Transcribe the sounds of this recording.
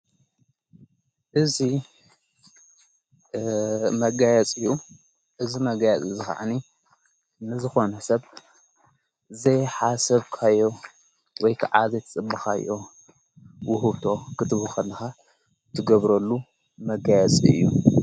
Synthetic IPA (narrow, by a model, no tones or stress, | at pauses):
ʔɨzi | mɐɡajɛt͡sʼɨjːu | ʔɨzimɐɡajɛt͡sʼɨzɨxa̰ʕa̰ni | nɨzɨxo̞nɐsɐβ | zɐjħasɐβkʰajːo̞ | wɔjkʰaʕazɐjt̪ʰɐt͡sʼɨbːɐxa̰jʔo | wʊɦɨβt̪ʰo̞kʰɨt̪ʰɨβuxɐlːɐxa | t̪ʰɨɡɐβɾɐlːu | mɐɡajɛt͡sʼiɨ̰jːu